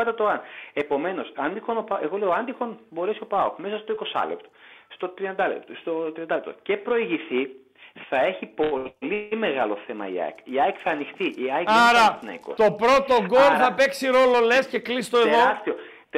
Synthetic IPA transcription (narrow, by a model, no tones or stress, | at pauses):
ɐt̪et̪oɐne̞po̞me̞no̞sɐnd̪ixo̞nopɐʔe̞ɣo̞lejoɐnd̪ixo̞nbo̞ɾe̞sio̞pɐo̰xme̞sɐst̪oiko̞sɐ̰lḛpt̪o̥st̪o̞t̪ɾiɐnd̪ɐlepst̪ot̪ɾiɐnd̪ɐlept̪oce̞pɾo̞iʝiθi | θɐe̞çipolime̞ɣɐlo̞θe̞mɐ̰ḭɐ̰kiɐjkθɐːnixt̪iʔiɐaɾɐt̪nɐ̰ḭko̰st̪o̞pɾo̞t̪o̞ɡolθɐpe̞ksiɾo̞lo̞le̞sce̞klist̪oeðoɾɐst̪io | t̪